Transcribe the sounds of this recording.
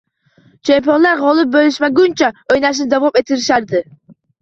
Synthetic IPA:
t͡ʃʰe̞mpijonlaɾʁɒlˠɪp̚bolɪʃmaɡʊnt͡ʃʰaojnaʃ̬nɪd͡ʒ̪avɒmet̪ʰɪɾɪʃaɾd̪ɪ

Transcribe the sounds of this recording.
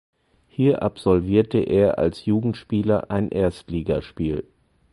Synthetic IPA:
hiːɐʔapz̥ɔlviːɐtəʔeːɐʔa̰lsjuːɡŋ̩tʃpiːlɐʔaɪnʔeːɐstliːɡaʃpiːl

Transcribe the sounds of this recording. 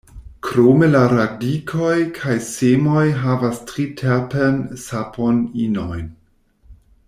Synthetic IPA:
kʰɾomelaɾadikʰojkʰajsemojɦavastɾitʰepensapʰoninojn

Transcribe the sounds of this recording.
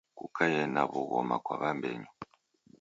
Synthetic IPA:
kukʰajɛnaβuɣɔmakwaβambɛɲu

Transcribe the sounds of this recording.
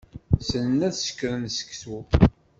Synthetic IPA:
sənnæðsə̥kːɾənsə̥kθu

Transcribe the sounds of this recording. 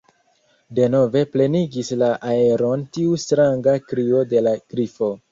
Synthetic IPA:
de̞no̞ve̞ple̞niɡislaʔae̞ɾo̞ntiustɾaŋɡakɾio̞de̞laɡ̥ɾifo̞

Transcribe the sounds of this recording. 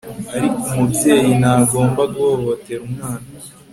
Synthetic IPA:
aɾikumubje̞ːjinaɡo̞ːmbaɡuhoho̞te̞ɾumŋaːna

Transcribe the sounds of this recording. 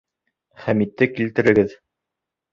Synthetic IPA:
χæmit̪ːɘkilt̪ɘ̆ɾɘ̆ɡɘð

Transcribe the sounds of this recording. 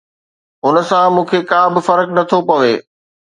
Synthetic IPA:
ʊnə̆sãmũːkʰekãːbɪfɐɾknɐt̪ʰopɐʋeː

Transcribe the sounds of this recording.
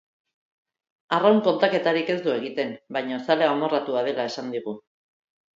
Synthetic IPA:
arawŋko̞nt̪ake̞t̪aɾike̞zd̪ue̞ɣ̞it̪e̞mbajɲosaleaomo̞rat̪uað̞e̞lae̞sand̪iɣ̞u

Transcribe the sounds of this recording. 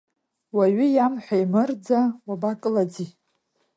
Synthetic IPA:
waɥijamħʷajmɨrd͡zawabakʼɨlad͡zi

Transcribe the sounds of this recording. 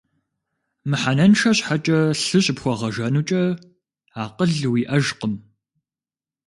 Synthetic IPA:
mɨħanɐnʃɐɕħat͡ʃʼɐɬɨɕʼɪpxʷɔʁɐʒɐnut͡ʃʼɐ | aːqəɮwiːʔɐʒqəm

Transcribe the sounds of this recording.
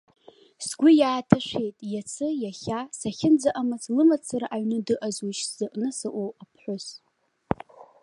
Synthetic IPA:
sɡʷʊjaːtʰaʃʷejtʼjat͡sʰɨjaχʲasaχʲɪnd͡zaʔamat͡slɨmat͡sʰaɾaʔaɥnɨdɨʔazuʃsz̥ɨʔʼnɨsaʔʷowapʰħʷʊs

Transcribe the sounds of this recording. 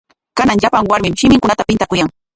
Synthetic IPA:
kanaŋʎapaŋwaɾmɪmʃɪmɪŋkʊnat̪apɪnt̪akʊjaŋ

